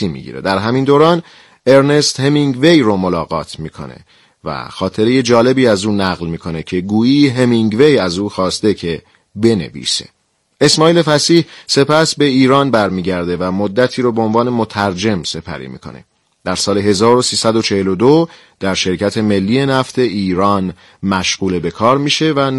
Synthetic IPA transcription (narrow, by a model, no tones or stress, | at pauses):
imḭɟḭɾḛd̪æɾɦæmind̪oːɾɒːn | e̞ɾne̞st̪hemiŋɡvejɾomolɒːɣɒ̰ːt̪ʰmiːkʰo̞̰ne̞̰ | væ̰xɒːt̪ʰe̞ɾeje̞d͡ʒɒːle̞biːæzuːnæɣlmiːkʰo̞ne̞cʰe̞ɡuːiːɦemiŋɡve̞jæzuːxɒːst̪e̞cʰe̞ | be̞nḛvḭːse̞̰ | e̞smɒːiːle̞fæsiːhse̞pʰæsbe̞iːɾɒːnbæɾmiːɟæɾd̪e̞væmod̪ːæt̪ʰiːɾoːbeonvɒːne̞mot̪ʰæɾd͡ʒe̞mse̞pʰæ̰ɾḭːmḭːkʰo̞̰ne̞̰ | d̪̥æɾsɒːle̞ɦe̞zɒːɾo̞siːsæd̪o̞t͡ʃʰe̞he̞lod̪o | d̪̥æɾʃe̞ɾcʰæt̪ʰe̞me̞lːiːje̞næft̪ʰe̞iːɾɒːn | mæʃɢuːle̞be̞kʰɒːɾmiːʃe̞væ